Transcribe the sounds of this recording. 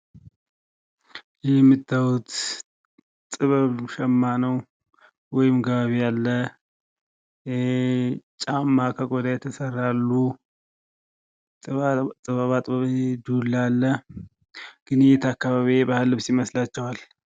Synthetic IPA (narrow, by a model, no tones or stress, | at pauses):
jɛmːɨt̪ːawut̪ | t̪ʼɨβəβʃɛmːanəw | wɔjɪmɡəβaβijalːə | t͡ʃʼamːakʰəɡʼod̪ajɛt̪ʰəsərːalːu | t̪ʼɨβaβat̪ʼβəβd̪ulːalːə | ɡ̥ɨnt̪ʰakːaβaβiebahɨlːɨβsjiməslat͡ʃːɛwal